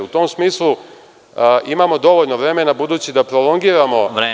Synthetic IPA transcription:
ut̪omsmiːslˠu | imamod̪o̞ʋoʎnoʋɾeːmenabud̪uːt͡ɕid̪apɾolˠo̞ŋɡiːɾamo̞

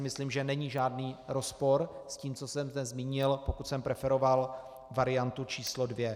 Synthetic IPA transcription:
ɪmɪsliːmʒɛnɛɲiʒaːdniːɾo̞spo̞ɾsciːmt͡so̞sɛmzdɛzmiːɲɪlpo̞kut̪sɛmpɾɛfɛɾo̞val | vaɾɪjant̪ut͡ʃiːslodvjɛ

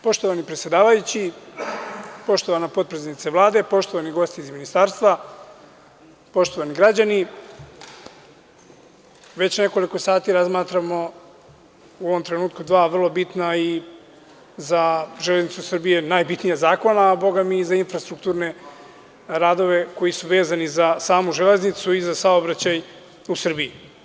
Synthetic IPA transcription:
po̞ʃt̪oʋanipɾet̪sjed̪aːʋajut͡ɕi | po̞ʃt̪oʋanapo̞d̪̚pɾesenit̪seʋlˠaːd̪e̞po̞ʃt̪o̞ʋaniɡo̞st̪iizminist̪aːɾst̪ʋa | po̞ʃt̪o̞ʋaniɡɾad͡ʑani | ʋe̞t͡ɕne̞ko̞liko̞saːt̪iɾazmaːt̪ɾamo | uoʋo̞mt̪ɾe̞nuːt̪kud̪ʋaːʋr̩lˠo̞bit̪nai | zaʒeleznit̪susr̩bije̞naːjbit̪nijazaːko̞naːbo̞ɡamizainfɾast̪ɾukt̪uːɾne̞ | ɾaːd̪o̞ʋe̞ko̞jisuʋe̞ːzanizasaːmuʒeleznit̪suizasaobɾat͡ɕaj | usr̩bii

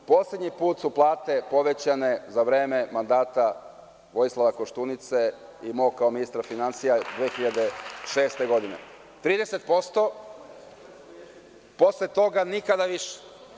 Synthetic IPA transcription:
po̞sled̪ɲipuːt̪suplˠaːt̪e̞po̞ʋe̞t͡ɕane̞zaʋɾe̞ːme̞mand̪aːt̪a | ʋo̞jislˠaʋako̞ʃt̪unit̪se̞ | imo̞kaominist̪ɾafinant̪sijad̪ʋexiʎad̪e̞ʃe̞ːst̪e̞ɡo̞d̪inḛ | t̪ɾiːd̪eset̪̚po̞st̪o̞ | poslet̪o̞ɡanikad̪aʋiʃe̥

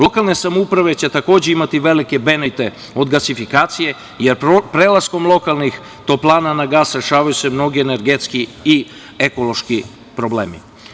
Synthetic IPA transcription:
lo̞kalˠne̞samoupɾaʋe̞t͡ɕe̞t̪ako̞ːd͡ʑe̞imat̪iʋe̞like̞be̞net̪e̞ | o̞d̪ɡasifikaːt̪sije̞ | jeɾpɾelˠasko̞mlˠo̞kalˠnix | t̪o̞plˠaːnanaɡaːsɾe̞ʃaːʋajusemno̞ɡiene̞ɾɡet̪skii | eko̞lˠo̞ʃki | pɾo̞blḛːmḭ

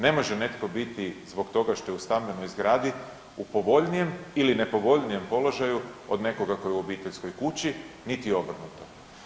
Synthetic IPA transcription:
ne̞mo̞ʒene̞t̪ko̞bit̪izbo̞kt̪o̞ɡaʃt̪o̞jɛust̪ambe̞no̞jzɡɾaːd̪i | upo̞ʋo̞ʎnije̞miline̞po̞ʋo̞ʎnije̞mpo̞lo̞ʒajuod̪ne̞ko̞ɡakojeuo̞biːt̪e̞ʎsko̞jkut͡ɕi | nit̪io̞br̩nut̪o

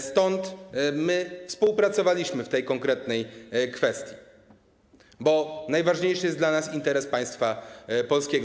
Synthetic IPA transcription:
st̪ɔnt̪mɘfspuwpɾat̪sɔvalʲiɕmɘft̪ɛjkɔŋkɾɛt̪nɛjkfɛst̪ʲji | bɔnajvaʐɲejʂɘjɛsd̪lanasint̪ɛɾɛspaj̃st̪fapɔlskʲɛɡ

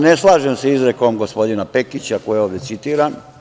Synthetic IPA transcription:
ne̞slˠaːʒemseizɾeko̞mɡo̞spo̞d̪inape̞kit͡ɕakojeo̞ːʋd̪jetsit̪iːɾan

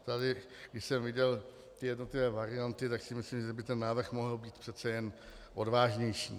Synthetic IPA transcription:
t̪adɪ | ɡdɪʃsɛmvɪɟɛl | t̪ɪjɛdno̞t̪lɪvɛːvaɾɪjant̪ɪt̪aksɪmɪslimʒɛbɪt̪ɛnːaːvr̩xmo̞ɦl̩biːt̪pr̥ɛt̪t͡sɛjɛn | ʔo̞dvaːʒɲɛjʃḭː

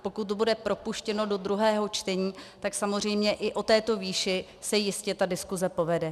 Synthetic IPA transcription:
pokut̪̚ːbudɛpɾo̞puʃcɛno̞do̞d̪ɾuɦɛːɦo̞t͡ʃt̪ɛɲiːt̪aksamor̝ɛjmɲɛʔɪʔo̞t̪ɛːt̪o̞viːʃɪ | sɛjɪscɛt̪adɪskuzɛpo̞vɛdɛ

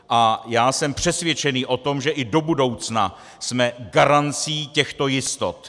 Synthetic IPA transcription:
ʔajaːsɛmpr̝̥ɛsvjɛt͡ʃɛniːʔo̞t̪o̞mʒɛʔɪdo̞budo̞wt͡sna̰ | smɛɡaɾant͡siːcɛxt̪o̞jɪst̪o̞t̪

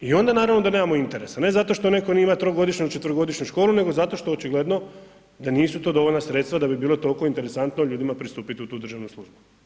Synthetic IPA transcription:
io̞nd̪anaːɾaʋno̞d̪anemamoint̪e̞ɾe̞sane̞zat̪o̞ʃt̪o̞ne̞ko̞nimat̪ɾoɡo̞d̪iʃɲut͡ʃe̞t̪vɾoɡo̞d̪iʃɲuʃko̞ːlˠune̞ɡo̞zat̪o̞ʃt̪o̞eot͡ʃiɡle̞d̪no̞ | d̪aniːsut̪od̪o̞ʋoʎʲnasɾe̞t̪st̪ʋad̪abibiːlˠo̞t̪olko̞int̪e̞ɾesant̪noʎuːd̪imapɾist̪uːpit̪iut̪uːud̪r̩ʒaʋnuslˠuʒbu

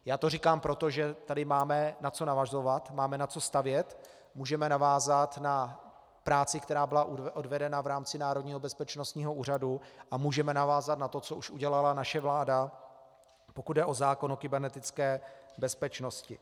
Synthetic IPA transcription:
jaːt̪o̞rikaːmpɾo̞t̪o̞ʒɛt̪adɪmaːmɛnat͡so̞navazo̞vat̪maːmɛnat͡so̞st̪avjɛt̪ | muːʒɛmɛnavaːzat̪na | pɾaːt͡sɪkt̪ɛɾaːbɪlaʔʔodvɛdɛnavɾaːmt͡sɪnaːɾodɲiːɦo̞bɛspɛt͡ʃno̞st̪ɲiːɦo̞ʔuːr̝aduʔamuːʒɛmɛnavaːzat̪nat̪o̞t͡soʔuʃʔuɟɛlalanaʃɛvlaːda | po̞kud̪̚dɛʔo̞zaːkonokɪbɛɾnɛt̪ɪt͡skɛːbɛspɛt͡ʃno̞scɪ

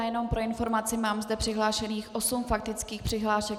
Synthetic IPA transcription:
jɛno̞mpɾo̞ɪnfo̞ɾmat͡sɪmaːmzdɛpr̥ɪɦlaːʃɛniːxʔo̞sumfak̚t̪ɪt͡skiːxpr̝̥ɪɦlaːʃɛk

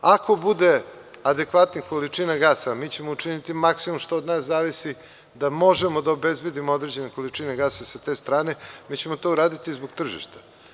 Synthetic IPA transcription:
akʰo̞bud̪e̞ | ad̪e̞kʋat̪nako̞lit͡ʃinaɡaːsamiːt͡ɕe̞mout͡ʃinit̪imaksimomʂt̪oːd̪naːszaːʋisi | d̪amo̞ʒe̞mo̞d̪aobe̞zbe̞d̪imood̪ɾe̞d͡ʑe̞neko̞lit͡ʃineɡaːsasat̪e̞ːst̪ɾaːne̞miːt͡ɕe̞mo̞t̪o̞uɾaːd̪it̪izboɡ̚t̪r̩ʒḭʃt̪ḁ

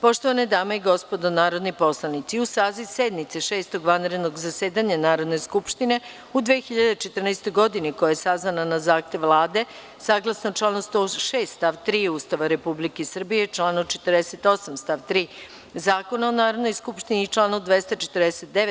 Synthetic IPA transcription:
po̞ʃt̪oʋaned̪aːmaiɡo̞spo̞d̪onaːɾo̞d̪nipo̞slˠanit̪siusaːzised̪mit̪seʃeːst̪o̞ɡʋanɾed̪noɡzaseːd̪aɲanaːɾo̞d̪neskupʃt̪ine̞ | ud̪ʋeːxiʎad̪et͡ʃet̪ər̩nest̪o̞jɡo̞d̪iniko̞jajesaznananazaːxt̪e̞ʋlˠaːd̪e̞ | saːɡlˠasnot͡ʃlˠaːnost̪oʃeːst̪st̪aʋt̪ɾiːuːst̪aʋaɾe̞publikesr̩bijet͡ʃlˠaːnot͡ʃe̞̥t̪rd̪ese̞t̪o̞samst̪aʋt̪ɾiː | zaːko̞naonaːɾo̞d̪nojskupʃt̪iniːt͡ʃlˠaːnod̪ʋest̪at͡ʃet̪ərd̪eset̪̚d̪eʋe

